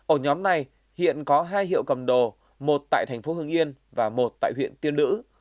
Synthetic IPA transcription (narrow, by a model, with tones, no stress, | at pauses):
ʔəː˧˩ɲɔ˨˦mna˨˧˩j | hḭ˧˨ənkɔ˨˦ɦaː˧jhḭ˧˨ə˨wkə˨˩mɗo˨˩ | mo˨˩t̚t̪a̰ː˧˨t̪ʰɛ˨˩jŋ̟fo˨˦hɨ˧əŋʔi˧ən | vaː˨˩mo˨˩t̚t̪a̰ː˧˨jhwḭ˧˨ənt̪i˧ənlɨ̰˧˥